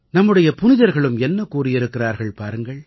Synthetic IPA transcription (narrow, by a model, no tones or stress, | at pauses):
nɐmːɯɽɐjɐpʊnɪðɐɾɣɐɭɯmɛnːɐkuːrɪjɪɾɯkːɪraːɾɣɐɭpaːɾɯŋɡɐɭ